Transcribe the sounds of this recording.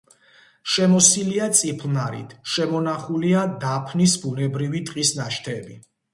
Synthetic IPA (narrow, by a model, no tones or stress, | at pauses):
ʃɛmɔsiliat̪sʼipʰlnaɾḭt̪ʰʃɛmɔnaχuliad̪apʰnisbunɛbɾivit̪ʼqʼisnaʃt̪ʰɛbi